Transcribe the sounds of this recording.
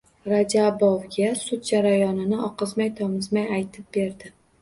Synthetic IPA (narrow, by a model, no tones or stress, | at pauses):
ɾad͡ʒabovɡʲasʊt̪̚d͡ʒaɾajɒnɪnɪɒqɨzmajt̪ʰɒmɪzmajajt̪ʰɪp̚be̞ɾd̪ɪ